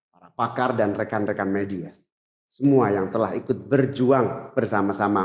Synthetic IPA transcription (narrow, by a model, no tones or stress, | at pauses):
paɾapakardanrekanrekanmedia | səmuajaŋt̪əlaɦikʊt̪̚bərd͡ʒuaŋbərsamasama